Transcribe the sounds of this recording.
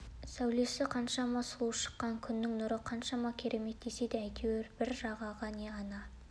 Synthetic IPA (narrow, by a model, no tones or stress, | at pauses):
sæwle̞sɪqʰɑnʃɑmɑsʊlˠuʃə̥qːɑŋkʲʰʏnːɪŋnʊɾəqʰɑnʃɑmɑkʲʰe̞ɾʔe̞me̞t̪̚d̪ese̞d̪eæjt̪ʰeweɾbɪɾʒɑʁɑʁɑneɑnɑ